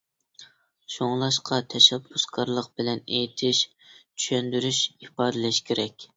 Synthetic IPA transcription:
ʃoŋlˠɑʃqʰɑt̪ʰɛʃɛbːuskʰɑɾlˠəq̚bɪlɛnejt̪ʰɪʃ | t͡ʃʰy̥ʃɛnd̪yɾyʃipɑːd̪ɨlɪʃkʲeɾɛkʲ

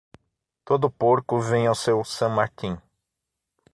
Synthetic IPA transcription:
t̪od̪ʊpoɾkʊvẽj̃awsewsɐ̃maɾk̪ĩ

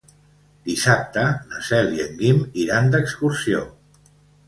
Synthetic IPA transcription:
d̪isap̚t̪ənəsɛljəŋɡimiɾand̪əkskursio̰

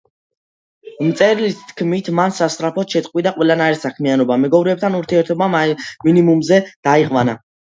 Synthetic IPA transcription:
mt̪sʼɛɾilist̪ʰkʰmit̪ʰmansast̪ʼɾapʰɔt̪ʃɛt̪ʼqʼwid̪aqʼwɛlˠanaiɾsakʰmianɔbamɛɡɔvɾɛːb̚t̪ʰanuɾt̪ʰiɛɾt̪ʰɔbaminimumzɛd̪̥aiʁwana

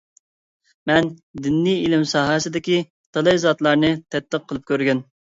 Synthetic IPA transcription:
mɛnd̪ɪnːijilɪmsɑːɦɑsɨd̪ɪkʲi | t̪ʰɑlˠɨjzɑt̪lˠɑɾnɨt̪ʰɛt̪ːəqʰːəlˠɨp̚kʲʰøɾɡʲyn

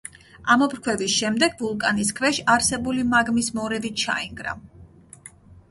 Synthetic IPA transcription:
amɔpɾkʰwɛvisʃɛmd̪ɛɡ̚vulˠkʼaniskʰvɛʃaɾsɛbulimaɡmismɔɾɛvit͡ʃʰa̰iŋɡɾa̰

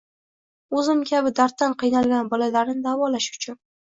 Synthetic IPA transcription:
ɵzɪmkʲʰabɪd̪aɾt̪ːanqʰɨjnalˠɡʲanbɒlalaɾnɪd̪avɒlaʃʊ̥t͡ʃʰʊn

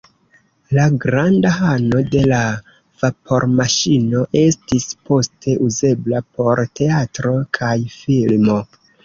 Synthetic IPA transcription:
laɡɾandaɦano̞de̞la | v̥apʰo̞ɾmaʃino̞ʔe̞stispo̞stʰe̞ʔuze̞blapʰo̞ɾte̞atɾo̞kʰajfilmo̞

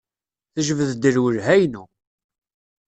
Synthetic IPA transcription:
θəʒəvəðd̪əɾwəlɦæjnu

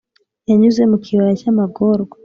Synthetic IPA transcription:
jaɲuzɛmukʰiwat͡ʃamaɡɔɾɡa

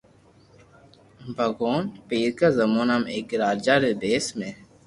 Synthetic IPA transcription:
bʱɐɡoːnpiːɾkazɐmuːnameːkɾaːd͡ʒaɾed̪eːsmẽ

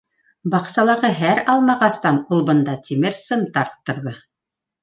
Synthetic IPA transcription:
bɑqsɑlˠɑʁɤɦæɾɑlˠmɑʁɑst̪ɑnulˠbɤ̆nd̪ɑt̪ʰimɘɾsɤmt̪ɑɾt̪ːɤ̆ɾðɤ

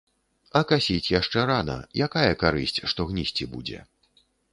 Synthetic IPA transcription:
ɐkasʲit͡sʲjaʂt͡ʂɛɾanɐ̰jakajɐkaɾɨsʲt͡sʲʂt̪ɔɣnʲisʲt͡sʲibud͡zʲɛ̰

